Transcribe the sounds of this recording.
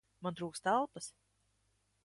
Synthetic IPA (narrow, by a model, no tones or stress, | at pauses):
mant̪ɾuːkst̪alˠpas